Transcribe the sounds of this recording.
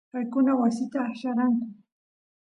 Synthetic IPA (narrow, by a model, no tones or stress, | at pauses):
pajkʊnawasɪt̪aːʃaɾaŋkʊ